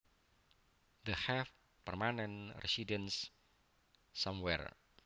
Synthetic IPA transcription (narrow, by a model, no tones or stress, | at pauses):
d̪əhɛf | pərmanɛnrɛsidəns | ɔmwɛ̰r